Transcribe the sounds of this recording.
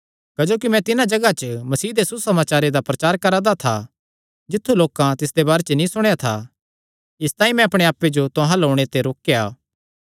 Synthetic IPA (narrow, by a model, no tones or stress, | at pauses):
kɐd͡ʒoːkimɛ̃t̪ɪnãd͡ʒɐɡat͡ʃəmɐsiːd̪esʊsɐmaːt͡ʃaːɾed̪apɾɐt͡ʃaːɾkɐɾad̪at̪ʰa | d͡ʒɪt̪ʰːuloːkãt̪ɪsd̪ebaːɾet͡ʃnĩsʊɽ̃jat̪ʰa | ɪst̪aːĩmɛ̃ɐpɽ̃eaːpːed͡ʒot̪ʊɦãloːɽ̃et̪eɾoːkejaː